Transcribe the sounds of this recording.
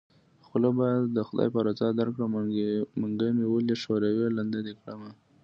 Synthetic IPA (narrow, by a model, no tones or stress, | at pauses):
xʊlabɑjad̪ːəxʊd̪ɑ̰jpaɾat͡sɑd̪aɾkɽamaŋɡamewəleʃoɾaweland̪ad̪ekɽəma